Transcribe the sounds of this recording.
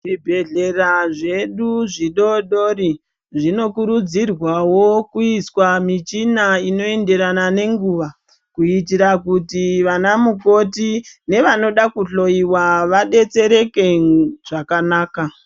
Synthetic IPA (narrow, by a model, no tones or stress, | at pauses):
ʐibʱe̞ɮe̞raʐe̞ɗuʐiɗo̞ɗoɾi | ʐino̞kuɾud͡zirwawo̞kuiswamit͡ʃinaino̞e̞nde̞ɾanane̞ŋɡuʋa | kuitiɾakutiʋanamuko̞tine̞ʋano̞ɗakuɬo̞iwaʋaɗe̞t͡se̞ɾe̞ke̞ʐ̥akanaːka